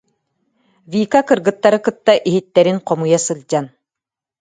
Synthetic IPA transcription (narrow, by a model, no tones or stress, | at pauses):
viːkakɯɾɡɯt̪ːaɾɯkɯt̪ːaʔiɦit̪ːɛɾinqɔmujasɯlʲˠd͡ʑan